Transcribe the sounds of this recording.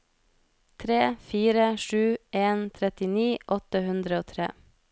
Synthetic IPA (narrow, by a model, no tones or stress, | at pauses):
t̪ʰɾeːfiːɾəʃʉːʔeːnt̪ʰɾɛt̪ɪniːʔɔt̪əhʉnd̪ɾəoːt̪ʰɾḛː